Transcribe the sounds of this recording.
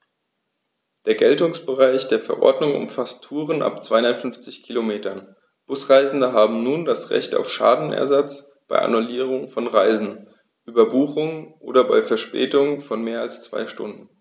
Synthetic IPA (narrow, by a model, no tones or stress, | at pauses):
d̥eːɐɡɛltʊŋsb̥əʁaɪçd̥eːɐfɛɐʔɔ̰ɐdnʊŋʔʊ̰mfastʰːuːʁənʔa̰pt͡sv̥aɪtfʏnft͡sɪçkʰilomeːtɐn | b̥ʊsʁ̥aɪzn̩dəɦaːbm̩nuːndasʁɛ̰çta̰ʊfʃa̰ːdn̩ɛ̰ɐzat͡s | b̥aɪʔa̰nuliːʁ̞ʊŋfɔnʁaɪzn̩ | ʔyːbɐbuːχʊŋʔo̰ːdɐbaɪfɛɐʃpɛ̰ːtʊŋfɔnmeːɐalst͡sv̥a̰ɪʃtʊ̰ndn̩